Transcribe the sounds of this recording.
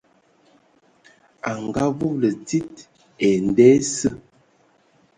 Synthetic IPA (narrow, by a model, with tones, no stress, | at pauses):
a˨ŋɡa˦vo˦lə˨ti˦t̚ | ɛ˨n˨dɛ˦sə˦